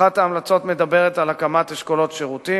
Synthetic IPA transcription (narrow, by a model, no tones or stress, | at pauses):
at̪aːmlat͡so̞t̪me̞d̪abe̞ʁet̪alakamat̪eʃkolo̞tʃeʁuti